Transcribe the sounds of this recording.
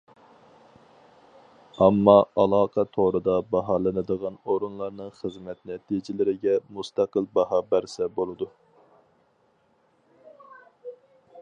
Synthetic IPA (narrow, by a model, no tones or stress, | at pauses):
ɑmːɑɑlˠɑːqʰɑt̪ʰoɾɨd̪ɑbɑɦɑːlˠɨnɨd̪əʁɑnoɾunlˠɑɾnɨŋχəzmɛt̪nɛt̪ʰid͡ʒɪlɪɾɪɡʲɛmust̪ʰæqəlˠbɑhɑːbæɾsɛbolˠɨd̪u